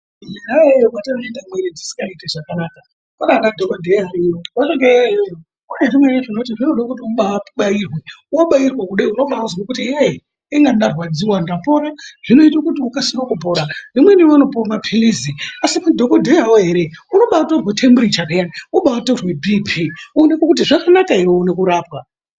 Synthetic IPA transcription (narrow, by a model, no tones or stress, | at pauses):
awatanoendamweɾid͡zisi̥ŋɡaiteʐakanaːka | koɗanadʱokodʱeaɾiokat͡ʃeŋɡe | unerimweɾeʐinot̬iʐinoɗakut̬iuɓaɓairweuwaɓairwakuɗeuno̞ɓauzwakutie | iŋɡaɗarwad͡ziwandapo̞ɾaʐ̥ino̞itokutiukasinokupoɾanimweniano̞pormapʰiliziasimadʱokodʱeawoɦe̞ɾe̞uno̞ɓawatorwetʰemburit͡ʃakejanuɓawatorwe̞bʱipʰiunekokut̬iʐakanakaiwounekuɾaːpwa